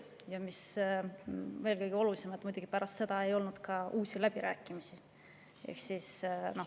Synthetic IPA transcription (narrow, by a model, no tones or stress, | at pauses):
jɑmis | ve̞ːlkɤjɡ̥io̞lulise̞mɑt̪mujd̪uɡ̥ipæɾʔɑst̪se̞d̪̥ɑe̞jo̞lnud̪̥kɑʔuːsilæb̥iɾæːkːˑimisi | ḛhksisno̞